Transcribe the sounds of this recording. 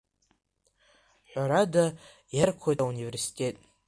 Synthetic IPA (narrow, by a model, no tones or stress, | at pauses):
ħʷᶣaɾada | jarkʷʰojtʼaunive̞rsi̥tʲʼe̞tʼ